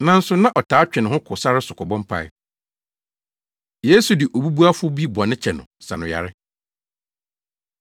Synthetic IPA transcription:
nã˦n̩˦sʊ˨nã˦ʔɔ˨tʰaː˨˦t͡ɕᶣɪ̃˨nɪ̃˨hʊ̃˦kʰʊ˨sa˦ɾɪ˦sʊ˨kʰɔ˨bɔ̃˦mpʰa̰˦˨ɪ̰˦ | je˦su˨dɪ˨ʔo˨bu˦bu˦a˦fʊ˦bi˦bɔ˨nɪ̃˦t͡ɕʰɛ˨nʊ̃˨sa̰˨nʊ̃˨ja̰˨ɾɪ˦

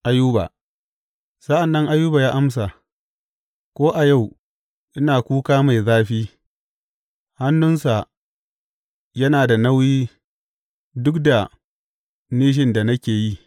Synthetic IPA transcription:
ʔa˨jːuː˦ba̰˨ | sɐ˦ʔa˨nːɐ˦ŋʔa˦jːuː˦ba˨jaː˦ʔa˦ms̬a˨ | kʷoː˦ʔa˨ja˦˨w | ʔɪ˦naː˨kʷuː˦kaː˦ma˨jzaː˦ɸiː˦ | ha˦nːʊ˦nsa˨ | jɐ˦naː˨da˨na˦wjiː˦ | dʊ˦kda˨ | niː˦ʃ̬ɪ˦nda˨nɐ˦kʲeː˨ji˦

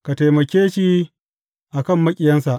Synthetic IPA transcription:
ka˨ta˨jmɐ˨kʲeː˦ʃi˦ | ʔa˨kɐ˦˨mːɐ˦kʲʼɪ˨jɐ˦nsa˨ʔ

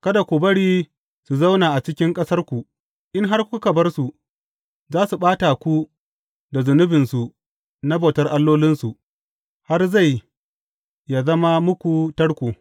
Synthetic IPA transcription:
kɐ˦da˨kʷu˨bɐ˦ɽiː˦ | su˨za˦wnaː˨ʔa˨t͡ʃɪ˦kʲɪ˦ŋkʼɐ˦sɐ˦rkʷu˨ | ʔɪ˦ŋɦa˦rkʷʊ˦ku˦kɐ˨bɐ˦rsu˨ | zaː˦su˨ɓaː˦ta˨kʷu˦ | da˨zʊ˨nʊ˦bɪ˨nsu˨ | na˦ba˨tɐ˦rʔa˦lːoː˦lɪ˦nsu˨ | ha˦rza˦˨j | ja˨zɐ˦ma˦mʊ˦kʷu˨tɐ˦ɽkʷu˨

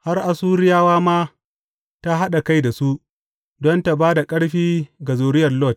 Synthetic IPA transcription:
ha˦rʔa˨suː˦ɾɪ˦jaː˦waː˦maː˦ | ta˦ɦa˦ɗa˨ka˦jda˨su˦ʔ | dɔ˦nta˨baː˦da˨kʼɐ˦ɽɸiː˦ɡa˨zoː˨ɾɪ˦jɐ˨rlɔ˦˨t̚

